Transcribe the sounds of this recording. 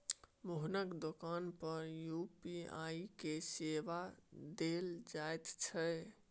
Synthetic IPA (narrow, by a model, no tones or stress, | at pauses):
moɦnəkd̪okanpəɾjupia̰ikeseʋad̪eld͡ʒaet̪t͡ʃʰɛ